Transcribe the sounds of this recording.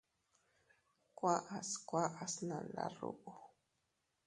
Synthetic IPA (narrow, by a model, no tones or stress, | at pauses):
kwaʔaskʷwaʔasnalaɾṵʔu